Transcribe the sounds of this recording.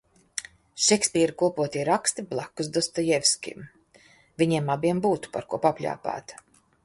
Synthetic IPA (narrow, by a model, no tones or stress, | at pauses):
ʃɛkspʲiːɾikuɔpuɔt̪ʲiɾakst̪iblˠakːusd̪ɔst̪ɔjɛfskʲḭm | vʲiɲiɛmabiɛmbuːt̪u̥paɾkuɔpapʲlʲa̰ːpa̰ːt̪